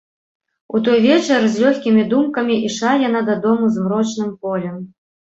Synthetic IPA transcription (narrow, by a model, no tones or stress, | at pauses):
ut̪̬ɔjvʲet͡ʃɛrzʲlʲɔxʲkʲimʲid̪umkɐmʲiʔiʂajanad̪ɐd̪ɔmuzmrɔt͡ʃnɨmpɔlʲɛm